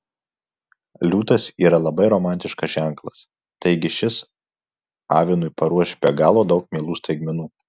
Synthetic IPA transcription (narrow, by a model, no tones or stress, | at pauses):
lʲuːt̪ɐsiːɾɐlˠɐbɐɪɾɔmɑˑnʲt̪ʲɪʃkɐsʒʲæˑŋˑklˠɐs | t̪ɐɪɡʲɪʃʲɪs | ɑ̰ːʋʲɪnʊɪpɐɾuɔʃʲbʲɛɡɑːlˠoːd̪ɒʊk̚mʲeːlˠuːst̪ɐɪɡmʲɪnuː